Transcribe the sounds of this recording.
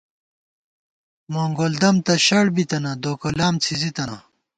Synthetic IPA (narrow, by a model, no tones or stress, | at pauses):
moːŋɡold̪ɐmt̪ɐɕɐɽbit̪ɐnɐd̪oːkɐlaːmt͡sʰizit̪ɐna